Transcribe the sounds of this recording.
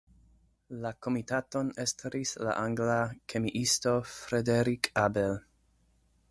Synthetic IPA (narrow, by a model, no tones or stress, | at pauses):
lako̞mitato̞nestɾisla̰ʔaŋɡlakʰe̞miʔisto̞fɾedeɾikʰabel